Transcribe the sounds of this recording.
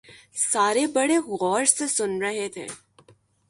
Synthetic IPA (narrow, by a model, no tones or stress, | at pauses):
saːɾebɐɽeɣɔːɾsesʊnɾɐɦet̪ʰḛː